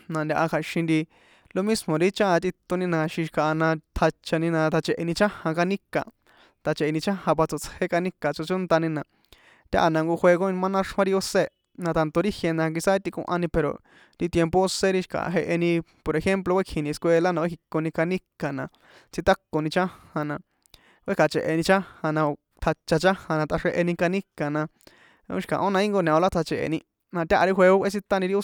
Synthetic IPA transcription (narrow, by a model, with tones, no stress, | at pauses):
nã˨˧nd̪ʲa˧ʔa˧kʰa˨ʃĩ˧nɾi˧ | lo˧mĩ˦smõ˨ɾi˦t͡ʃã˦a˧t̪i˧t̪o˧nĩ˧nã˧ʃĩ˧ʃi̥˧ka˧˨a˧nã˧t̪ʰa˧t͡ʃa˧nĩ˧nã˧t̪ʰa˧t͡ʃe˧˨ʔe˧nĩ˧t͡ʃã˦hã˧ka˧nĩ˦kã̰˨ | t̪a˧t͡ʃe˨e˧nĩ˧t͡ʃã˦hã˧βa˧t͡so˧˨t͡she˦ka˧nĩ˦ka˨t͡so˧t͡ʃo˦nt̪a˧nĩ˧nã˨ | t̪ʲa̰˦˧ʔa˧nã˧ŋɡo˧xʷe˧ɡo˦nĩ˧mã˦nã˦ʂw̃ã˦ɾi˧o˦se˦ | nã˧t̪a˧nt̪o˧ɾi˦hje˧nã˧ŋɡi˧sa˦t̪i˧kṵ̃˧ʔã˧nĩ˧pe˨ɾo̰˨ | ɾi˧t̪je˧mpo˦o˦se˦ɾi˦ʃi̥˧ka̰˨ɦe˧ʔe˧nĩ˧po˨ɾe˧xe˦mp̬lo˧kʷe˦kʰĩ˨nĩ˧skʷe˧la˦nã˧kki˧kːo˧nĩ˧ka˧nĩ˦ka˨nã˨ | t͡si˧t̪a˦kːo˧nĩ˧t͡ʃã˦ha˧nã˧ | kʷʔe˦ka˨t͡ʃḛ˨ʔe˨nĩ˧t͡ʃa˦hã˧nã˧ | t̪ʰa˧t͡ʃa˧t͡ʃã˦hã˧nã˧t̪a˧ʂe˧ʔe˧nĩ˧ka˧nĩ˦ka˨nã˧ | o̰˦ʃi̥˧kã̰˨ʔo˦nã˧i˦ŋɡo˧nã˨o˧la˦t̪ʰa˧t͡ʃḛ˨ḛ˨nĩ˧ | nã˧t̪ʲa˦ʔa˧ɾi˦xʷe˧o˦kʷʔe˦si˦t̪a˦nĩ˧ɾi˦o˦